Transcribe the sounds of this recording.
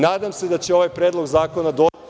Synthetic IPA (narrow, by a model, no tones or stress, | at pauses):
naːd̪amsed̪at͡ɕeo̞ʋajpɾeːd̪lˠo̞ɡzaːko̞nad̪o